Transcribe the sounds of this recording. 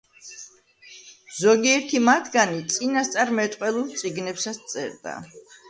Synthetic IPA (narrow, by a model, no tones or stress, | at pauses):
z̥ɔɡiɛɾt̪ʰimat̪ʰɡanit̪sʼinast̪sʼaɾmɛt̪ʼqʼwɛlˠulˠt̪sʼiɡnɛpsast̪sʼɛ̰ɾd̪a̰